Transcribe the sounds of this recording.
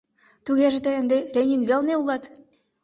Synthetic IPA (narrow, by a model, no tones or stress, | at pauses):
t̪uɣʲeʒĕt̪ĕə̆nd̪ĕrʲenʲinvʲelʲneulˠɑt̪